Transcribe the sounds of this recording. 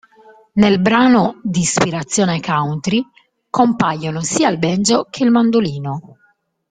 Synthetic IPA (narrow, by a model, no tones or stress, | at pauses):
nelbɾaːnod̪iːspiɾat̪sːjɔːnekawnt̪ɾi | kompajːonosiːailbɛnd͡ʒokʰeilmand̪oliːno